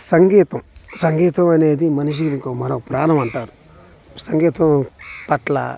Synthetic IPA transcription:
sɐŋɡiːt̪ɐmsɐŋɡiːt̪ɐmɐneːd̪imɐnuʃ̬iikoːmɐnɐpɾaːnɐmɐɳʈaːɾu | sɐŋɡiːt̪ɐmpɐʈlɐ̰

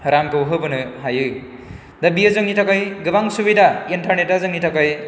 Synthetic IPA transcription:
ɾamkɯwɦɯbɯnɯɦajɯ | d̪ɐbijʌzɯŋnitʰakʌjɡɯbaŋsubidʱaintɐɾnetazɯŋnitʰakʌj

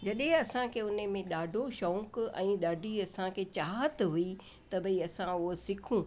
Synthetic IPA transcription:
d͡ʑɐɗɦẽɐsãkʰeːʊnəmẽɗaːɖʱoʃɔːkɛ̰̃ːɗaːɖʱiɐsãkʰeːt͡ɕaːɦət̪ɦʊi | t̪ɐbʱɐiɐsãʊɦosɪkʰũː

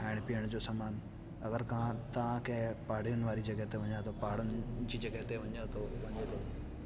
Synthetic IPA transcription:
ɦaːɪɽ̃̆pijəɽ̃d͡ʑoːsaːmaːn | ɐɡəɾkɐãt̪ɐʋãkɐ̃ɦpaːɽ̤ijʊnɪʋaːɾid͡ʑɐɡəɦt̪eʋɐ̃ɲat̪ʰopaːɽʊnɪd͡ʑiːd͡ʑɐɡəɦt̪eʋɐɲət̪ʰoʋɐ̃ɲet̪ʰo

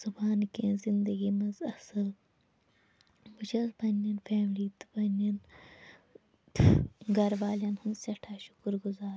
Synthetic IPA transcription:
z̥ɐbaːnkẽzind̪ɐɡimɐzɐsɐl | but͡ʃɐzbɐnːɐnfeːmliːt̪bɐnɐn | ɡɐɾʋaːlɐnhɐnsɐʈʰaːʃu̥kuɾɡuzaːɾ

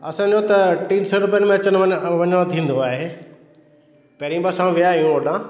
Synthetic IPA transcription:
ɐsãd͡ʑot̪ɐʈĩːnsəɾʊpjənmẽɐt͡ɕəɽ̃ʋɐɲəɽ̃õt̪ʰĩːnd̪oaːɦe | pɐɦɾĩbasãʋijaɦijũoːɖãː

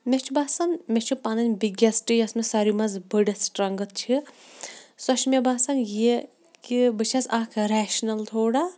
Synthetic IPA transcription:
mʲet͡ʃʰubaːsɐnmʲet͡ʃʰupanɐnʲbiɡɐsʈɨjɐsmesɐɾimɐzbəɖɐsʈɾɐŋɡɨt̪̚t͡ʃʰi | sɐʃmebaːsɐnje | kibɨt͡ʃʰɐsɐːkʰɾɛːʃnɐlt̪ʰoːɽa

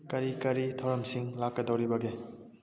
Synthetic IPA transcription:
kɐɾikɐɾitʰɐwɾɐmsiŋlakːɐdɐwɾibɐɡe

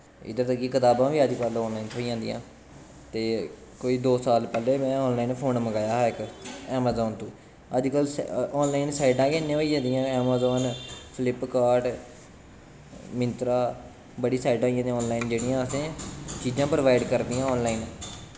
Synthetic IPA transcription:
ɪ̰d̪əɾt̪əkːiːkət̪aːbãːʋiːəd͡ʒkəlɔːnlaːiːnt̪ʰoːid͡ʒãːnd̪ḭjã̰ː | t̪eː | koːiːd̪oːsaːlpɛleːmɛ̃ːɔːnlaːiːnpʰoːnməɡaːjaːɦɛɪkɛːmaːzɔːnt̪ũː | əd͡ʒkəlɔːnlaːɪnsaːɪɖãːkɪnːẽːoiːd͡ʒãːd̪ijãːɛːmaːzɔːnpʰlɪpkaːɾɖ | mɪ̃nt̪ɾaː | bəɽiːsaːɪɖãːiãːd̪ĩɔːnlaːiːnd͡ʒeːɽijãːəsẽːt͡ʃiːd͡ʒãːpɾəʋaːɪɖkəɾd̪ijãːɔːnlaːin

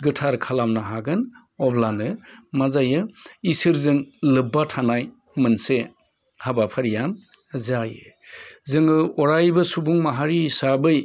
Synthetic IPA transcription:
ɡɯtʰaɾkʰalamnaɦaɡɯn | ɔblanɯmazajɯisɯɾzɯŋlɯbːatʰanaj | mɯnse | habapʰaɾijan | zajɯzɯŋɯɔɾajbɯsubuŋmaɦaɾisabɯj

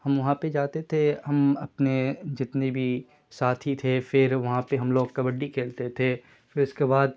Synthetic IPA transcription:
hɐmʋɐɦãped͡ʒaːt̪et̪ʰeɦɐmɐpned͡ʒɪt̪nebʱi | saːt̪ʰit̪ʰefɪɾʋɐɦãpeɦɐmloːɡ̚kɐbəɖːikʰeːlt̪et̪ʰe | fɪɾʊskebaːd̪̚

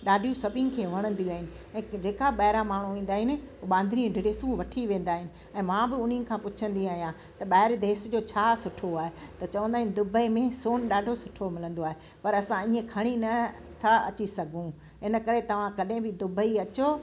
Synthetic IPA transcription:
ɗaːɖʱijũsɐbʱɪ̃nɪ̆kʰeːʋɐɽ̃ə̃nd̪ijũaːɦɪnɪ̆ | ɛ̃ːd͡ʑeːkaɓɐɦɪɾamaːɳ̤ũʋẽːn̆d̪aːɦɪnɪ̆ɓãːnd̪ʱɾĩɖʱɪɽeːsũʋɐʈʰiʋẽːnd̪aːɦɪnɪ̆ | ɛ̃ːmãːbɪʊn̤ĩnɪ̆kʰãːpʊt͡ɕʰə̃nd̪iaːɦijã | t̪ɐɓaɦɪɾd̪eːsd͡ʑoːt͡ɕʰaːsʊʈʰoaːɦet̪ɐt͡ɕɐʋə̃nd̪aːɦɪnɪ̆d̪ʊbʱəimẽsoːnɗaːɖʱosʊʈʰomɪlə̃nd̪oaːɦe | pɐɾɐsãiːə̃kʰɐɽ̃inɐ | t̪ʰaɐ̰t͡ɕisɐɡʱũ | ɪnə̆kɐɾet̪ɐʋ̤ãkɐɗɦɪ̃bɪd̪ʊbʱəiɐt͡ɕo

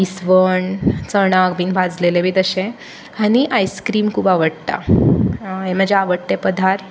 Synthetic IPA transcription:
isʋəɳt͡səɽ̃aɡbiːnbʱad͡zlelebiːt̪əɕẽ | añiʔajskɾiːmkʰuːpaʋəɽt̪a̰ | eməd͡ʑeaʋəɽt̪epəd̪ʱaɾ

